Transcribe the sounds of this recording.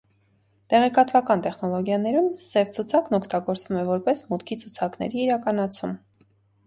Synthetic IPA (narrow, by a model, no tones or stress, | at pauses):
t̪ɛʁɛkɑt̪vɑkɑnt̪ɛχnɔlɔɡjɑnɛɾumsɛvt͡sʰut͡sʰɑknɔkʰt̪ɑɡɔɾt͡svumɛvɔɾpɛsmut̪kʰit͡sʰut͡sʰɑkn̪ɛ̰ɾiːɾɑkɑnɑt͡sʰum